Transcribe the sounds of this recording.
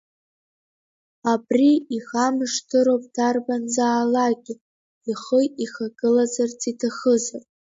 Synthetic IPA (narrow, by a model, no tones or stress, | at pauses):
abriixamɨʂtʰɨɾowpʼdʰarbanzaːlaɡʲɪ | iχəiχaɡɨlazart͡sʰitʰaχəzarʼ